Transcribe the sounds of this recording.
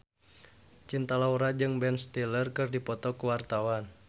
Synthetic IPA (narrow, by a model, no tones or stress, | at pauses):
t͡ʃint̪alauɾad͡ʒɨŋbɛnst̪ilərkɨrdipɔt̪ɔkəwart̪awan